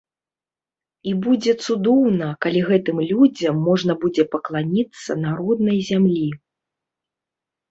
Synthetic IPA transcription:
ibud͡zʲɛt̪sud̪ɔwnɐkalʲiɣɛt̪ɨmlʲud͡zʲɐmːɔʐnɐbud͡zʲɛpɐklˠanʲit̪sːɐ̰naɾɔd̪nɐjzʲamlʲi

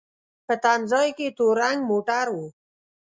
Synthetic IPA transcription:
pət̪anzɑjket̪oɾaŋɡmoʈaɾwu

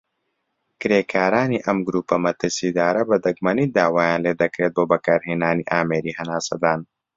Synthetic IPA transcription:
kɾeːkaːɾaːniʔɐmɡɾuːpɐmɐt̪ɐsid̪aːɾɐbɐd̪ɐɡmɐnid̪aːwaːjãːnled̪ɐkɾeːt̪̚boːbɐkɐɾɦinaːniʔaːmeːɾiɦɐnaːsɐ̰d̪aːn

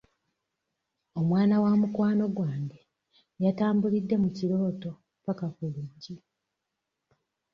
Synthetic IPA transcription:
o̞mwaːnawamukwaːno̞ɡwaːɲɟe | jataːmbulidːe̞muciɾo̞ːto̞ | pakakuluːɲɟi

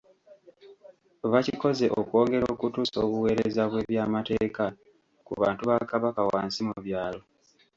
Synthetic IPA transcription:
βaciko̞ze̞ʔo̰ko̞ːŋɡe̞ɾoːkutuːso̞ːβuwe̞ːɾezaβwe̞ːβjaːmate̞ːka | kuβaːntuβakaβakawa̰ːnsimuβjaːlo̞

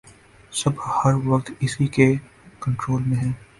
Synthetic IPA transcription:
sɐbhɐɾʋɐkt̪ɪsike | kɐ̃ɳʈɾoːlmẽɦɛ̃ː

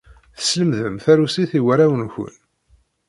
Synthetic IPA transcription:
θə̥sləmðəmθæɾusiθiwæɾæwənçə̰n

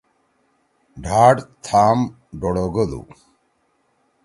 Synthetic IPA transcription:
ɖʱaːɖt̪ʰaːm | ɖoɽoɡod̪ṵ

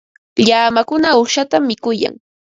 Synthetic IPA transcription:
ʎaːmakʊnaʊʃat̪amːɪkʊja̰ŋ

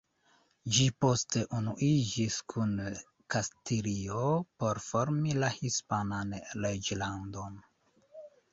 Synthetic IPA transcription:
d͡ʒipo̞ste̞ʔunuʔid͡ʒiskʰun | kastiliopo̞ɾfo̞ɾmilahispananled͡ʒlando̞n

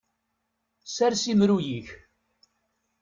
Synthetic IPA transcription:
sæɾsimɾujiç

